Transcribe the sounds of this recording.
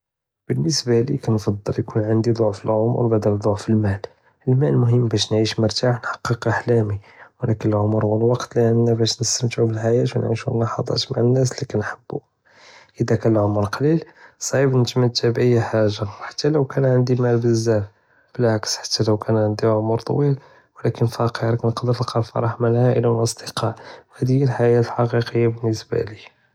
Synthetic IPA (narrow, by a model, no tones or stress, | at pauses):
b̥ənːəsbælḭkænfɑd̪ˤːəljkunʕənd̪id̪ˤoʕfəlʕom̰ɾˤbaʕd̪əld̪ˤoʕfəlmæl | əlmæləlmʊɦəmːbæʃ̬nʕiʃmʊɾt̪aħnħɑ̥qːəqʔaħlæmiwlækənəlʕomɾˤwəlwɑqt̪ləʔənːæbæʃnəst̪əmt̪ʕubəlħajæt̪wnʕiʃulːɑħɑd̪ˤɑ̰t̪maʕənːæs̬likænħəbːu | ʔəd̪ækælʕomɾqɑlilsˤɑʕibnət̪məd̪ːæbʔəjːħaʒːawħḁt̪ːæləwkænʕənd̪imælbəzːæf | b̥əlʕaksħḁt̪ːæləwkænʕənd̪iʕomɾt̪ˤɑwil | wəlækənfɑqəɾknəqd̪əɾlqɑlfɑ̰ɾˤɑħməlʕaʔəlawəlʔəsˤd̪əqɑʕhæd̪ijəlħajæt̪əlħɑqiqəjːabənːəsbæ̰li